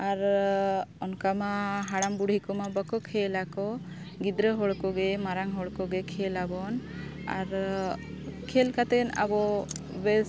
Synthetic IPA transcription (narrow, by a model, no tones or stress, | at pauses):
aɾ | ɔnkamaɦaɽambuɽɦikɔmabəkɔkʰelakɔ | ɡid̪ɾəɦɔɽkɔɡɛmaɾaŋɦɔɽkɔɡɛkʰelabɔna̰ɾ | kʰelkat̪ɛna̰bɔ | be